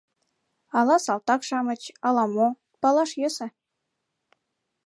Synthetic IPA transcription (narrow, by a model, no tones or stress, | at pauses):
ɑlɑsɑlt̪ɑkʃɑmə̆t͡ɕɑlɑmo | pɑlɑʃjesə̆